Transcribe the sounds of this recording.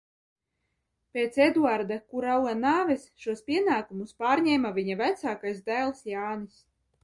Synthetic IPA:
peːt̪sed̪uaɾd̪akuɾawanaːvɛsʃuɔspʲiɛnaːkumuspaːɾɲɛːmavʲiɲavæt̪saːkajsd̪æːlˠsjaːnis

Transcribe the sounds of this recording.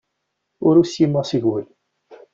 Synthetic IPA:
ʊɾusjimːæsiʝwəl

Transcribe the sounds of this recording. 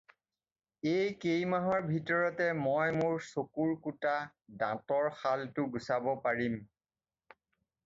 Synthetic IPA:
ejkejmaɦɔɹbʱitɔɹɔtɛmɔjmʊɹsokuɹkutadã̰tɔɹxaltʊɡusabɔpaɹim

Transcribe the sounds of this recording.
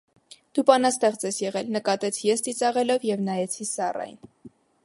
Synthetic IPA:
d̪̥upɑnɑst̪ɛʁt͡sɛsjɛʁɛlnəkɑt̪ɛt͡sʰjɛst͡s̪it͡sɑʁɛlɔvjɛvnɑjɛt͡sʰisɑrɑ̰jn

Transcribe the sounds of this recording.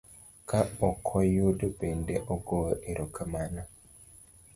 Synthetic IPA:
kʰaɔkʰɔjodəbendeʔɔɡoʔeɾʔokʰəmana

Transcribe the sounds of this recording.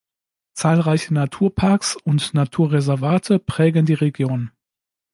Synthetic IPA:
t͡saːlʁaɪçənatʰuːɐpʰaɐksʊntnatʰuːɐʁezɛɐvaːtʰəpʁ̥ɛːɡən̩diːʁeɡjoːn

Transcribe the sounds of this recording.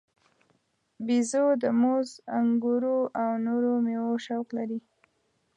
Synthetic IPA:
bizod̪əmozaŋɡuɾoawnoɾomewoʃawklaɾi

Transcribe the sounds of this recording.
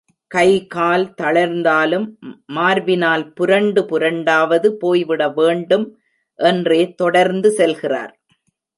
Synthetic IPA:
kɐɪkaːlt̪ɐɭɐɾnd̪aːlɯmːaːɾʋɪnaːlpʊɾɐɳɖɯpʊɾɐɳɖaːʋɐðɯpoːjʋɪɽɐʋeːɳɖɯm | ʔɛndreːt̪ɔɽɐɾnd̪ɯsɛlɣɪra̰ːɾ

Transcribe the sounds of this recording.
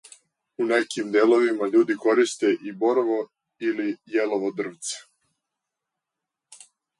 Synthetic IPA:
unekimd̪eːlˠo̞ʋimaʎuːd̪iko̞ɾist̪eʔibo̞ɾʋo | ilijeloʋod̪r̩ʋt̪se̥

